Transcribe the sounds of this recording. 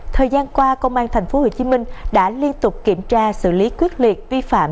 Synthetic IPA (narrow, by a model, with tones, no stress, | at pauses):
t̪ʰəː˨˩jzaː˧nkwaː˧kə˧wŋ͡mʔaː˧nt̪ʰɛ˨˩jŋ̟fo˨˦ho̰˧˨t͡ɕi˨˦mï˧ŋ̟ɗa̰ː˧˥li˧ənt̪ʊ˨˩k͡p̚ki˧˩əmt͡ɕaː˧sɨ̰˧˨li˨˦kwi˦˥ət̚li˨˩ət̚vi˧fa̰ː˧˨m